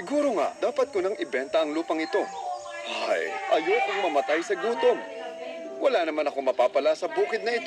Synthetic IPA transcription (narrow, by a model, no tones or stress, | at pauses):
sɪɡuːɾo̞ŋa̰ʔd̪̥aːpɐt̪̚kʊnɐŋʔɪbɛnt̪ɐʔɐŋluːpɐŋɪt̪o̞ | a̰jʔɐjokʊŋmɐmɐt̪ajsɐɡuːt̪o̞ŋ | wɐlanɐmanɐko̞mɐpaːpɐlasɐbuːkɪd̪̚nɐɪt̪o